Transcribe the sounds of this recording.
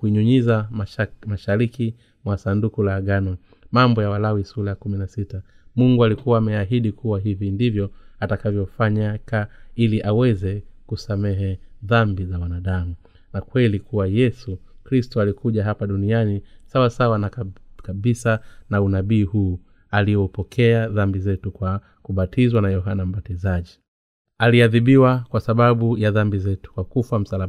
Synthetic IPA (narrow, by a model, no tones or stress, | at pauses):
kuiɲuɲizamaʃaɾiki | mwasandukulaːɡanɔ | mambɔjawalawisulajakuminasitamuŋɡualikuwaːmɛaɦiɗikuwaɦivindivjɔatakavjɔfaɲakailiʔawɛzɛkusamɛɦɛðambizawanaɗamu | nakwɛlikuwajɛsukɾistɔalikʰuʄaɦapaɗunianisawasawanakaɓisanaunaɓiːhuː | alijɔpɔkʰɛaðambizɛtukwa | kuɓatʰizwanajɔɦanam̩batizaʄi | aliaðiɓiwakwasaɓaɓujaðambizɛtu̥kwakufam̩sala